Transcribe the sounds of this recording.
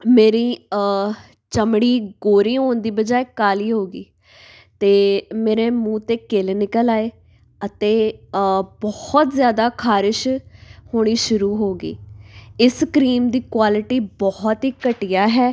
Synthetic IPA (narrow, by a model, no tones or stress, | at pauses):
meːɾiː | t͡ʃəmɽ̃iːɡoːɾĩːɦoːnd̪iːbəd͡ʒaːekaːliːɦoːɡḭː | t̪eːmeːɾeːmũːt̪eːkelnɪkəlaːeː | ət̪eː | bɔhɔt̪zjaːd̪aːkʰaːɾɪʃhoːɽ̃iːʃʊɾuːɦoːɡḭːɪskɾiːmd̪iːkwaːlɪʈiːbɔɦɔt̪ɦiːkəʈɪjaːɦɛː